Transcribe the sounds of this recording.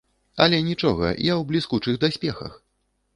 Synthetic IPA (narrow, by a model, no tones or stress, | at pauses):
ɐ̰lʲɛnʲit͡ʂɔɣɐ̰jawblʲiskut͡ʂɨɣd̪asʲpʲɛxɐ̰x